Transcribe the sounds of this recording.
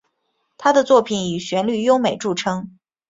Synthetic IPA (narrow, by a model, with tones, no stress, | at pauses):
t̪ʰa˥d̪ə˨t͡swɔ˥˩pʰi˨˥ni˨˩ɕɥɛ˧˥nly˥˩jo˥ʊme˨˩ɪʈ͡ʂu˥˩ʈ͡ʂʰɤ˥ŋ